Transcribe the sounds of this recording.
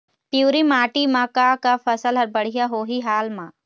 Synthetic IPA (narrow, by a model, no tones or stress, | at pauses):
pjuːɾimaːʈimãkakafɐsəlɦɐɾbəɽ̤ijaɦoːɦiɦaːlmã